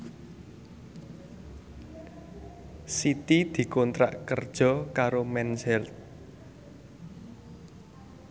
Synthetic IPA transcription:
sit̪id̪̥i̤kont̪ɾa̰ʔkərd̥ʒ̥ɔ̤kaɾomɛnsɛlt̪̚

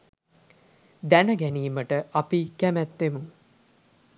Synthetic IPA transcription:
d̪ænəɡæniːməʈəʔapikæmæt̪ːemuŋ

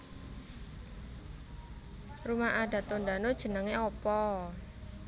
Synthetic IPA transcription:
rumaʔaɖa̤t̪onɖanod̥ʒ̥ə̤nəŋeɔpɔ

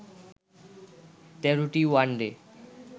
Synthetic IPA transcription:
t̪ɛɾoʈiwaɳɖe

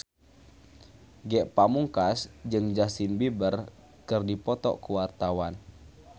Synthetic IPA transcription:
ɡɛʔpamuŋkasd͡ʒɨŋd͡ʒasinbibər | kɨrdipɔt̪ɔ̰kuwart̪awan

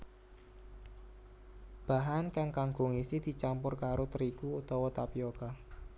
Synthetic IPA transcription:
b̥a̤ɦankaŋkaŋɡʊ̤ŋisid̪̥i̤t͡ʃampʊrkaɾot̪əɾikuːt̪ɔwɔt̪apioka

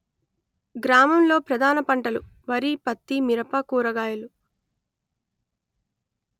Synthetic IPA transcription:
ɡɾaːmɐmlo̞ːpɾɐd̪ʱaːnɐpɐɳʈɐluʋɐɾipɐt̪ːimiɾɐpɐkuːɾɐɡaːjɐlu

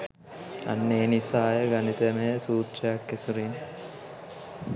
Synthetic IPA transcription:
a̰nːeːnisaːjəɡanit̪emejəsuːt̪ʃəjakːesuɾin

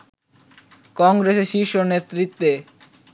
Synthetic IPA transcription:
kɔŋɡɾeseɾʃiʃonet̪ːɾit̪ːe

